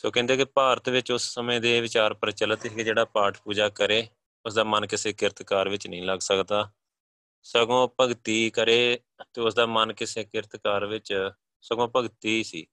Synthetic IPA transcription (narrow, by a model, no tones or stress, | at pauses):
soːkɛ̃ːnd̪eːkɪpaːɾət̪ʋɪt͡ʃʊsːəmẽːd̪eːʋɪt͡ʃaːɾpəɾt͡ʃələt̪iked͡ʒeːɽaːpaːʈʰpuːd͡ʒaːkəɾeː | ʊsd̪aːmənkɪseːkɪɾət̪kaːɾʋɪt͡ʃnəĩːləɡsəkd̪aː | səɡõːpəɡt̪iːkəɾeː | t̪eːʊsd̪aːmənkɪseːkɪɾət̪kaːɾʋɪt͡ʃ | səɡõːpəɡt̪iːsḭː